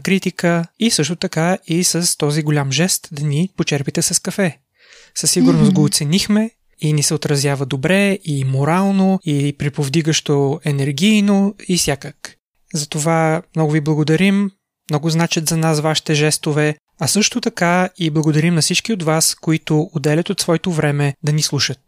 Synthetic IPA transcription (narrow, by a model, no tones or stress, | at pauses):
kɾit̪ikəisɤʃt̪ot̪ɐkaisəst̪ɔziɡolʲamʒɛst̪d̪ɐnipot͡ʃɛɾpit̪ɛsɐskɐfɛ | səsːiɡʊɾnʊst̪ɡoːt̪sɛnixmɛ | inisɛot̪ɾɐzʲjavəd̪obɾɛimoɾalˠnoipɾipovd̪iɡəʃt̪oɛnɛɾɡʲijnoifsʲjakək | zɐt̪ovamnɔɡʊviblˠɐɡod̪ɐɾim | mnɔɡʊznat͡ʃɛt̪zɐnasvaʃi̥t̪ɛʒɛst̪ovɛ | ɐsɤʃt̪ot̪ɐkaiblˠɐɡod̪ɐɾimnɐfsit͡ʃkiot̪vaskoit̪oːd̪ɛlʲɐt̪ot̪svɔɛt̪ovɾɛmɛd̪ɐnislˠuʃət̪̚